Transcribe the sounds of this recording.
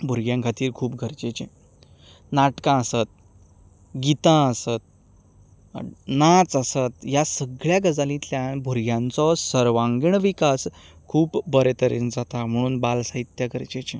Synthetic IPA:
bʱuɾɡjãŋkʰat̪iːɾkʰuːp̚ɡʱəɾt͡ɕet͡ɕẽ | naʈkãəsət̪̚ | ɡit̪ãəsət̪̚ | nat͡səsət̪jasəɡɭjaɡəd͡zalĩːt̪ljanbʱuɾɡjãnt͡sɔsəɾʋãŋɡɳʋikaskʰuːpbəɾet̪əɾḛnd͡zat̪am̤əɽ̃uːnbalsaɦit̪jaɡəɾt͡ɕet͡ɕẽ

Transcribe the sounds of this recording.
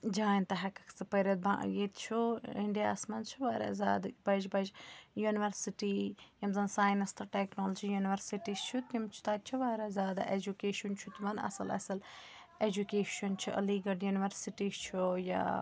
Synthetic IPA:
d͡ʒaːinʲt̪ɐɦɐkɐ̥kʰsɨpɐɾʲɐt̪̚bã̰ʔjeːt̪t͡ʃʰuiɳɖijaːsmɐnt͡ʃʰuʋaːɾa̰za̰ːd̪bɐd͡ʒbɐd͡ʒjuːniʋɐɾsiʈijɐmzɐnsaːjnɐst̪ʰɐʈeknoːlɐd͡ʒijuniʋɐɾsiʈist͡ʃʰut̪ʲimt͡ʃʰu̥t̪at̪̚t͡ʃʰuʋaːɾazʲaːd̪a̰ʔed͡ʒukeːʃunt͡ʃʰut̪imɐnɐ̰sɐlɐ̰sɐl | ed͡ʒukeːʃɐnt͡ʃʰiʔɐ̰liːɡɐɖjuniʋɐɾsiʈist͡ʃʰuja̰

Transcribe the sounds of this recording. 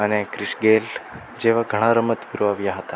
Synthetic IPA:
ɐnekɾiʃɡeːl | d͡ʒeːʋɐɡʱɐɽ̃aɾɐmɐt̪ʋiɾʋaːʋjaɦɐt̪a

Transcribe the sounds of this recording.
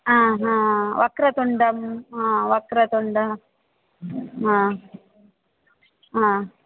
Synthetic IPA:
ãːɦãːʋɐkɾɐt̪uɳɖɐmãːʋɐkɾɐt̪uɳɖɐ | ɦãː | ɦãː

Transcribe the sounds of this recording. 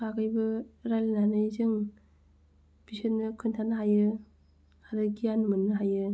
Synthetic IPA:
pʰakʰajbɯɾalinanɯjzɯŋ | bisɯnːɯkʰɯntʰanɯɦajɯ | haɾɯɡijanɯmɯnːɯɦajɯ

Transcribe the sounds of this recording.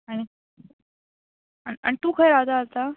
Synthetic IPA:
aɽ̃i | aia̰ɳ̃it̪uːkʰajɾad̪aːst̪a

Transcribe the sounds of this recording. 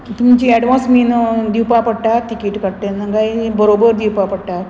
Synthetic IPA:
t̪umt͡ɕiɛɽʋãsmind̪iwpapəɽʈaɾt̪ikiːʈkəɽʈ̪enəŋɡajbəɾobəɾd̪iwpapəɽʈaɾ

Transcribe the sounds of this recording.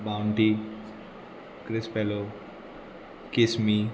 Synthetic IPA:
bawɳʈi | kɾɪspelo | kismi

